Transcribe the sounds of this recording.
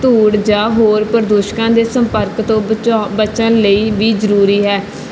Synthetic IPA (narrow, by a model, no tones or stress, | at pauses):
t̪uːɽd͡ʒaːɦoːɾpəɾd̪uːʃkãːd̪eːsəmpəɾkt̪õːbət͡ʃə̃nləiːʋiːzəɾuːɾiːɦɛː